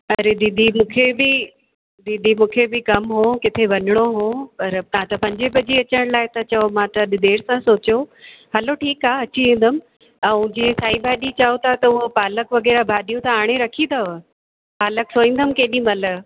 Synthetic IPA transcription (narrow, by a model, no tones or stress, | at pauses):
ɐɾed̪iːd̪ʱimũːkʰebɪ | d̪iːd̪ʱimũːkʰebɪkɐmɦõːkɪt̪ʰeʋɐnəɽ̃oɦõːpɐɾt̪ɐãt̪ɐpɐ̃ɲd͡ʑebɐd͡ʑiɐt͡ɕəɽ̃laːɪt̪ɐt͡ɕɐomãt̪ɐɗɪd̪eːɽsãsoːt͡ɕjoɦɐloʈʰiːkaːɐt͡ɕiĩːnd̪əm | ɛ̃d͡ʑsaːibʱaːɗit͡ɕaːot̪ʰat̪ɐʊɦopaːləkʋɐɣɛːɾabʱaːɗijũt̪ʰaaːɽ̃eɾɐkʰĩːd̪aʋ | paːləksoːĩːnd̪əmkeːɗĩmɐlə